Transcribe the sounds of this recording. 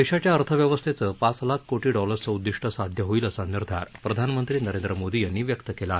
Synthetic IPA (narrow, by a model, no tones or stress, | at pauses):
d̪eɕat͡ɕjaəɾt̪ʰəʋjəʋəst̪ʰet͡səpat͡slakʰːoʈiːɖɔləɾt͡səud̪ːiʂʈəsad̪ʱjəɦoiləsənːiɾd̪ʱaɾpɾəd̪ʱanmənt̪ɾiːnəɾend̪ɾəmod̪iːjanːiːʋjəkt̪əkelae